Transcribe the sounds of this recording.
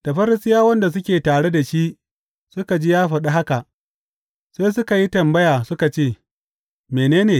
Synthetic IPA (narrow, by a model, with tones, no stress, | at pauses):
ta˨ɸɐ˦ɾɪ˦sɪ˦jaː˦wɐ˦nda˨s̬ʊ˦kʲeː˨taː˨ɽe˦da˨ʃi˦ | sʊ˦ka˨d͡ʒi˦jaː˦ɸɐ˨ɗa˦ɦa˦ka˨ʔ | seː˦s̬ʊ˦ka˨ji˦tɐ˨mbɐ˦jaː˨sʊ˦ka˨t͡ʃeː˦˨ | meː˨neː˦neː˨